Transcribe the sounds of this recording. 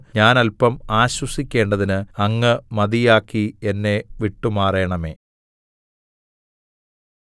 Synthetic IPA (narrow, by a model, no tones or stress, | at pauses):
ɲaːnɐlpɐmaːɕwɐsikʲːe̞ːɳɖɐðinɨɐŋːɨmɐðijaːkːie̞nːe̞ʋiʈːumaːrejːɐɳɐme̞̰ː